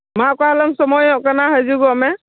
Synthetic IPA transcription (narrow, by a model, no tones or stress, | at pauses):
makahalamsɔmɔjɔʔkanaɦajziɡɔmɛ